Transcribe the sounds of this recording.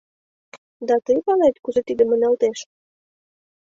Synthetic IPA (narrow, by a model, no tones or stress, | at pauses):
d̪ɑt̪əjpɑlet̪kuzet̪id̪ə̆mə̆nɑlt̪eʃ